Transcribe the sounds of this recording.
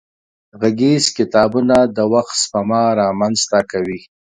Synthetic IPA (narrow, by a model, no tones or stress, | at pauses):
ɣaɡizkɪt̪ɑbunad̪əwaxt̪spamɑɾɑmanzt̪akawi